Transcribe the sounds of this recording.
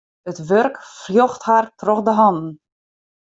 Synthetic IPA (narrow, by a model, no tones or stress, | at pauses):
ətʋørkfljɔxthartrɔxdəɦɔndn̩